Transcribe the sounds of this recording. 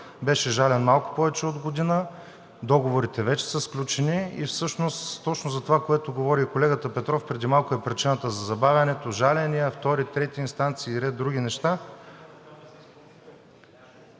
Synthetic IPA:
bɛʃɛʒalɛnmalˠkʊ̥pɔvɛt͡ʃɛod̪ɡod̪inə | d̪ɔɡovoɾit̪ɛvɛt͡ʃɛ̥səsklʲut͡ʃɛniḭfsɤʃnost̪t̪ːɔt͡ʃnozɐt̪ovakoɛt̪oɡovɔɾikolɛɡət̪əpɛt̪ɾɔfpɾɛd̪imalˠkoɛpɾit͡ʃinət̪əzɐzɐbavʲjɐnɛt̪oʒalɛnijəft̪ɔɾit̪ɾɛt̪iiːnst̪ant̪siːɾɛd̪̚ɾuɡʲinɛʃt̪a

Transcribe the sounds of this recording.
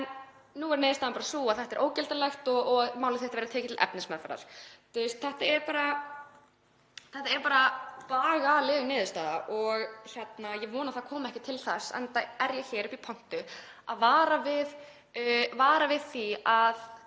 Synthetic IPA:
ɛnː | uːvɛɾnɪːðʏst̪aːðampaːɾasuaðθɛht̪ɛɾʔoːwcɛlt̪alɛxt̪ɔɔmaːwlɪθɛht̪avɛɾat̪ʰɛːcɪt̪ʰɪlʔɛ̰pnɪsmɛðfɛ̰ɾa̰ɾ̥t̪ʏst̪̚θɛht̪aɛɾpaːɾa | θɛht̪aɛɾpaːɾapaːɣaːlɪːɣnɪːðɪst̪aːða̰ʔɔɣçɛt̪najɛvɔːnaθaðkʰɔːmaɛhcɪt̪ʰɪlθasːɛ̰nt̪aɛɾjɛçɛːɾʏpipʰɔn̥t̪ʏ | a̰ðvaːɾavɪð | vaːɾavɪðθiað

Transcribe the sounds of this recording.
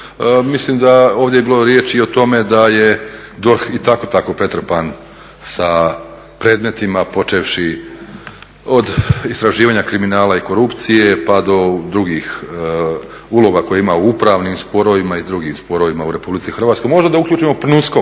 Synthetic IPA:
mislimd̪aoːʋd̪jeebiːlo̞ɾje̞t͡ʃio̞t̪o̞me̞d̪aje | d̪oɾxit̪ako̞t̪ako̞pɾe̞t̪ɾ̩pan | sa | pɾe̞ːd̪met̪imapo̞t͡ʃeʋʃi | o̞d̪ist̪ɾaʒiːʋaːɲakɾiminaːlaiko̞ɾupt̪sije̞pad̪o̞d̪ɾuɡiːx | ulˠo̞ɡako̞jeimauupɾaʋnimspo̞ɾoʋimaid̪ɾuɡimspo̞ɾo̞ʋimauɾe̞publit̪sixɾr̩ʋaːt̪skojmoʒd̪d̪aukʎʲuːt͡ʃimo̞pnusko

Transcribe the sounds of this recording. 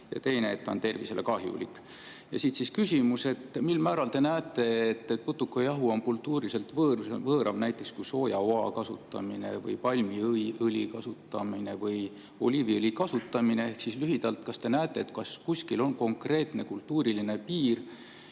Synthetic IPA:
jɑ̰t̪e̞jneet̪ːˑo̰nt̪e̞rvise̞lḛkɑɦjṵlḭk | jɑ̰sit̪siskysʲimuse̞t̪ːmilmæːɾɑlt̪e̞næːet̪ːˑe̞et̪ːˑet̪put̪ːukːˑojɑɦuonkult̪ːˑuːɾise̞lt̪vɤːvɤːɾʔɑvnæjt̪ːˑe̞kskujso̞ːjɑoɑkɑsṵt̪ːˑɑ̰mine̞̰vɯ̰jpɑlʲmiɯlʲikɑsut̪ːˑɑmine̞vɤj | o̞̰lʲiviɯlʲikɑsut̪ːˑɑmine̞e̞hksislyɦid̪̥ɑlt̪kɑst̪e̞næːt̪ːˑe̞ːt̪kɑskuskilo̞nko̞ŋkre̞ːt̪ne̞kult̪ːuːɾiline̞piːr

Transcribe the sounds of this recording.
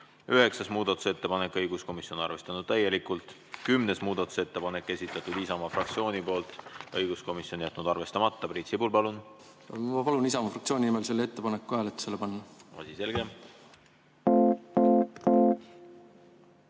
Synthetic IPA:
yɦe̞ksɑsmuːd̪̥ɑt̪ːˑu̥se̞t̪ːe̞pɑne̞kːˑɤjɡ̥usko̞misio̞nɑ̰rve̞st̪ɑnud̪̥̚t̪æjːe̞likˑult̪ˑ | kymne̞smuːd̪̥ɑt̪ːˑu̥se̞t̪ːe̞pɑne̞kːˑe̞sʲit̪ːˑɑt̪ːˑud̪̥isɑmɑfrɑkt̪sio̞ːnipo̞ːlt̪ˑɤjɡ̥usko̞misjo̞njæt̪ːˑnud̪̥ɑrve̞st̪ɑmɑt̪ːɑprit̪ʲsibulpɑlun | mɑpɑlunisɑmɑfrɑkt̪sio̞ːnʲinimelse̞lːe̞t̪ːe̞pɑnekːueːlet̪selːepɑnːɑɑ̰sise̞lɡ̥em

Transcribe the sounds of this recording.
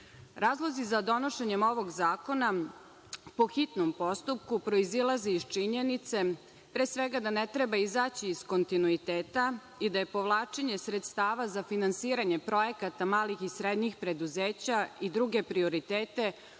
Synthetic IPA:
ɾaːzlˠo̞zizad̪o̞no̞ʃeɲemo̞ʋo̞ɡzaːko̞na | po̞xit̪nompo̞st̪up̚kupɾo̞izilˠazeist͡ʃiɲenit̪se̞ | pɾeːsʋeɡad̪anet̪ɾebaizaːt͡ɕiːsko̞nt̪inuit̪eːt̪a | id̪aje̞po̞ʋlˠaːt͡ʃeɲe̞sɾet̪st̪aːʋazafinansiːɾaɲepɾo̞je̞kat̪amaːlixisɾed̪ɲixpɾe̞d̪uzeːt͡ɕaid̪ɾuɡe̞pɾio̞ɾit̪eːt̪e̞

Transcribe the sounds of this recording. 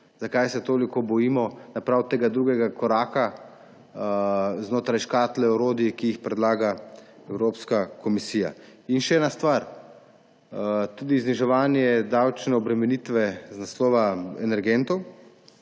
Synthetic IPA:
zakajsɛt̪oːlikɔbɔjiːmɔnapɾawt̪eːɡad̪ɾuːɡɛɡakɔɾaːka | znoːt̪ɾajʃkaːt̪lɛɔɾoːd̪iikijixpɾɛd̪laːɡa | ɛwɾoːpskakɔmisiːja̰inʃɛɛːnast̪ʋaɾ | t̪uːd̪izniʒɛʋaːnjɛd̪awt͡ʃnɛɔbɾɛmɛnit̪ʋɛznaslɔːʋaɛ̰nɛɾɡɛnt̪ɔw

